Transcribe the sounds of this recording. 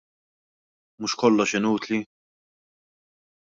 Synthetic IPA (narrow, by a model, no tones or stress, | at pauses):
muʃkɔlːɔʃɪnuːt̪li